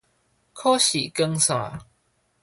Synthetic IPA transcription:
kʰɔ˦ɕi˨˩kə˦ŋsã̰˨

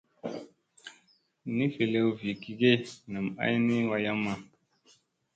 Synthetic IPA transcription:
ni˦fi˨le˨wvi˨ki˨ɡe˦na˨m˨a̰˦jni˦wa˦ja˦mːa˦˨

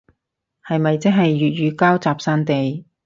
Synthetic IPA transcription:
hɐ˨jmɐ˨jt͡sɛ˥ŋɦɐ˨jːyː˨t̚ɥyː˨˧kaː˥wt͡saː˨p̚saː˥nt̪e˨j

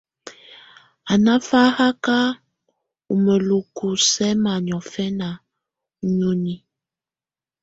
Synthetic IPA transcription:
a˨na˦fa˦ha˦ka˦ | u˨mə˨lu˨ku˨sɛ˦ma˨ɲ˨ɔ˨fɛ˦na˨˦ | ɲo˦ni˦

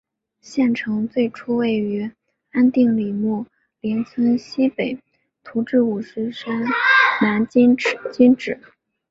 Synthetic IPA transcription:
ɕjɛ˥˩nʈ͡ʂʰɤ˧˥ŋt͡swe˥˩ɪʈ͡ʂʰu˥we˥˩ɪy˧˥ | a˥nt̪i˥˩ŋli˨˩mu˥˩ | ljɛ˧˥nt͡sʰwə˥nɕi˥pe˨˩˦ɪ | t̪ʰu˧˥ʈ͡ʂɻ̩˥˩u˨˩ʂ̩˧˥ʂə˥nna˧˥n˥t͡ɕi˥nʈ͡ʂɻ̩˨˩˦

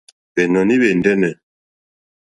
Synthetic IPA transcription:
βɛ˨nɔ˨ni˦βɛ˨ndɛ˦nɛ˨

